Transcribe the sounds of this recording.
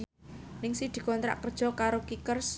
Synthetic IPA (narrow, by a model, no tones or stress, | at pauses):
nɪŋsid̪̥i̤kɔnt̪ɾa̰ʔkərd̥ʒ̥ɔ̤kaɾokikərs